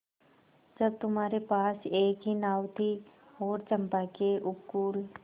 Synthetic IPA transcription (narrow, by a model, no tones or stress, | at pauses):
d͡ʒɐb̚t̪ʊmɦaːɾepaːseːkɦinaːʋt̪ʰi | hoːɾt͡ʃɐ̃mpakeʔʊkːuːl